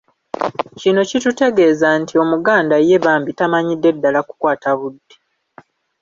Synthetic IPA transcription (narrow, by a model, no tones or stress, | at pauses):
cino̞citute̞ɡe̞ːzantʰio̞muɡaːndaje̞βaːmbitamaɲidːe̞dːalaku̥kwaːtaβudːe